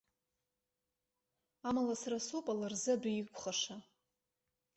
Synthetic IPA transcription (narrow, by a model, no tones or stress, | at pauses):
amalasarasupʼalarzɨadikʷʰʼχaʂa